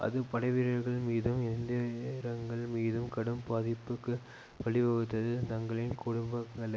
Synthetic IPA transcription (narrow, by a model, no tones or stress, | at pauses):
ʔɐ̰ðɯpɐɽɐɪʋɪɾɐɾɣɐɭmiːðɯmɪnd̪ɐɾɐŋɡɐɭmiːðɯmkɐɽɯmpaːðɪpːɯkːɯ | ʋɐɭɪʋɐɣɯt̪ːɐðɯt̪ɐŋɡɐɭɪnkʊɽʊmbɐɐɭɐ